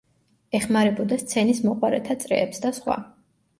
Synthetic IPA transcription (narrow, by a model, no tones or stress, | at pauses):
ɛχmaɾɛbɔd̪ast̪sʰɛnismɔqʼwaɾɛt̪ʰat̪sʼɾɛ̰ːpsd̪asχwa̰